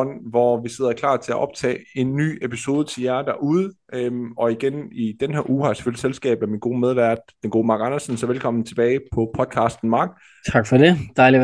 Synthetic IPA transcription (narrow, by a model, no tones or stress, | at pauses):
n̰ʋɒʋise̝ð̞̰ˠɐkʰlɑ̰̈ːt͡sʰe̝æʔɒ̽b̥̚t͡sʰɛ̰ːe̝nːy̰ːepʰiso̝ːð̞ˠət͡sʰe̝ljæd̥æɐʔuːð̞ˠəʔɒ̽iɡ̥enid̥enɦæɐʔuːhɑ̈jɑse̥føl̰d̥ˠselsɡ̥ɛ̰ːb̥̩ˠæmid̚ɡ̥o̝ːmeð̞ˠʋæɐ̰d̥̚d̥enɡo̝̰ːmɑ̈ːɡ̥ɑnɐsn̩sɒʋelkʰɒ̽mn̩t͡sʰe̝b̥ɛːɪpʰɒ̽pʰɒ̽d̥ˠkʰɑ̈ːsd̥n̩mɑ̈ːɡ̥̚ | t͡sʰɑ̈ɡ̥fɒded̥ɑɪli